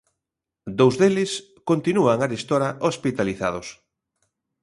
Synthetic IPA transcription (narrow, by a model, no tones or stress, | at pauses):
d̪owzðelɪs | kont̪inuaŋaɾest̪oɾaʔospit̪aliθa̰ð̞os